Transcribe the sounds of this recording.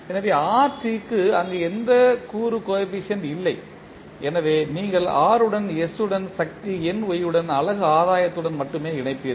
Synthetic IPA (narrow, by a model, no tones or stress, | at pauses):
ɛnːɐʋeːaːʈːikːɯɐnd̪ɐɛnd̪ɐkuːɾɯkoːɐp̬ːɪʂɐnɪlːɐɪ | ɛnɐʋeːniːŋɡɐɭaːɾɯɽɐnɛsɯɽɐnsɐk̚t̪iɛnʋɔjːɯɽɐnɐlɐɣɯaːðaːjɐt̪ːɯɽɐnmɐʈːɯmeːɪɳɐɪpːɪjɐðɯ